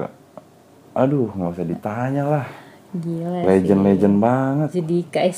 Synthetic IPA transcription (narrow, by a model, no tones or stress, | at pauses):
a̰ | adʊhŋaisadit̪aɲalah | ialed͡ʒənled͡ʒənbaŋət̪d͡ʒadikaɛs